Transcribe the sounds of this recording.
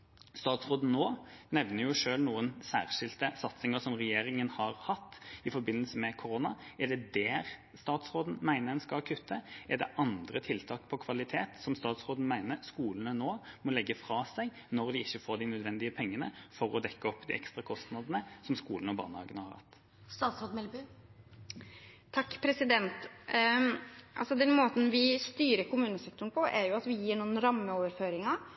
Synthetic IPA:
st̪ɑːt̪sʁoːd̪n̩noːnɛʋnəɾjʊʂøːlnuːənsæ̰ːʁʂɪlt̪əsɑt̪sɪŋəsɔmʁɛjeːɾɪŋənhɑɾhɑt̪ːɪfɔɾbɪnːəlsəmɛkʰʊɾoːnɑɛɖ̪ɛd̪ɛɾ | st̪ɑːt̪sʁoːd̪n̩mæɪnəɛnskɑlkʰʉt̪ʰːəɛd̪ɛʔɑnd̪ɾət̪ʰɪlt̪ʰɑːkpʰɔkʰʋɑlɪt̪ʰeːt̪sɔmst̪ɑːt̪sʁoːd̪n̩mæɪnəɾskuːlənənoːmɔlɛɡːəfɾɑːsæɪ | nɔʁd̪ɪɪçːəfoːd̪ɪnœd̪ʋɛnd̪ɪəpʰɛŋːənə̰fɔɾɔd̪ɛkːəɔpːd̪ɪ̰ɛkst̪ʁɑkʰɔst̪nɑd̪ənəsɔmskuːln̩ɔbɑ̰ːnəhɑ̰ːɡənəhɑ̰ɾhɑ̰t̪ː | st̪ɑːt̪sɾoːd̪mɛlb | t̪ʰɑkːpʰɾɛsɪd̪ɛnt̪ | ʔɑ̰lsɔd̪ɛnmoːt̪n̩ʋɪst̪yːɾəɾkʊmʉːnəsɛk̚t̪ʊɳ̩pʰɔʔæɾjʊɑt̪ʋɪjiːɳuːənɾɑmːəoːʋəɾføːɾɪŋɑ

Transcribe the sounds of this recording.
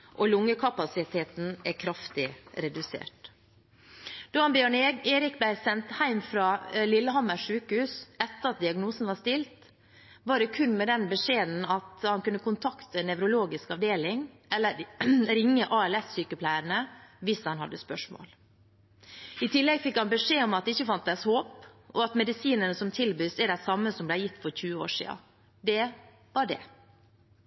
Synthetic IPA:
ʔɔlʊŋːəkʰɑpɑsɪt̪ʰeːt̪n̩ækʰɾɑft̪ɪɾɛd̪ʉsḛːʈ | d̪ɑːɑnbjøːɳeːɾɪk̚b̪æɪsɛnt̪hæɪmfɾɑːlɪlːəɦɑməʂʉːkəhʉːsɛt̪ːəɾɑt̪̚d̪ɪɑɡnuːsn̩ʋɑʂt̪ɪlt̪ | ʋɑːɖɛkʰʉnːmɛd̪ɛnbəʂeːd̪n̩ɑt̪hɑnkʉnːəkʊnt̪ʰɑkt̪ənɛʋɾʊloːɡɪskɑʋd̪eːlɪŋ | ɛlːəɾɾɪŋːəʔɑːɛlɛssyːkəpʰlæɪɾəɳəʋɪshɑnɦɑ̰d̪ːəspœʂmo̰ːl | ɪt̪ʰɪlːɛɡfɪkhɑnbəʂeːɔmɑt̪̚ɪçːəfɑnt̪̚d̪æshoːpʔɔɑt̪mɛd̪ɪsiːnənəsɔmt̪ʰɪlbyːsɛɖæɪsɑmːəsɔmblæɪjɪt̪ːfɔɾçʉːəo̰ːʂḭːɑ̰ | d̪ɛ | ʋɑɖɛ̰

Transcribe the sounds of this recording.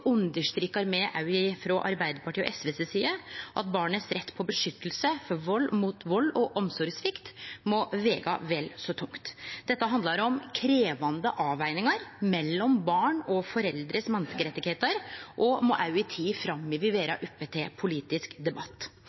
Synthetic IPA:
ʔʉnd̪əʂt̪ɾɪkːɑɾmɛʔɑʉɪfɾɔʔɑɾbæɪd̪əpɑʈʰiːɔ̰ʔɛsʋeːsɛsiːəʔɑ̰t̪̚bɑːɳəsɾɛt̪ːpʰɔbəʂʏt̪ːəl̩səfɔɾʋɔlːmuːt̪ʋɔlːɔʔɔmsɔɾsʋɪkt̪mɔʋeːɡɑ̰ʋɛlsɔt̪ʰʊŋkt̪d̪̥ɛt̪ːəɦɑnd̪lɑɾɔmkʰɾeːʋɑnd̪əʔɑːʋæɪnɪŋɑɾmɛlːɔmbɑːɳɔfɔɾɛld̪ɾəsmɛnskəɾɛt̪ːɪɡheːt̪əɾʔɔmɔʔɑʉɪt̪ʰiːfɾɑmːɪʋɪʋeːɾɑ̰ʔʉpːet̪ʰɛpʰʊliːt̪ɪskd̪ɛbɑt̪ː

